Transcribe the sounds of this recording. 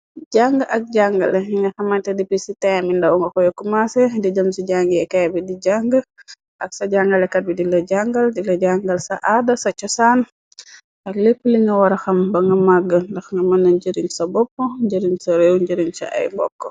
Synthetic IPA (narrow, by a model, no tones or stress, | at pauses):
ɟaŋɡəʔɐk̚ɟaŋɡɐ̰liŋɡɐxɐmɐntɛdipisitɛmindɐwŋɡɐkɔjokːumasɛdid͡ʒəmsiɟaŋɡəɛkɛjbidiɟaŋɡə | ʔɐksɐɟaŋɡɐlɛkɐt̚bidilɐɟaŋɡɐldilɐɟaŋɡɐlsɐʔadɐsɐt͡ʃɔsan | ʔɐklepːəliŋɡɐwɐɾɐxɐmbɐŋɡɐmaɡːəndɐxŋɡɐmɐnːɐɲɟəɾiŋsɐbɔpːɔɲɟəɾiŋsɐɾewɲɟəɾiŋsɐ̰ʔɐ̰jbɔ̰kːɔ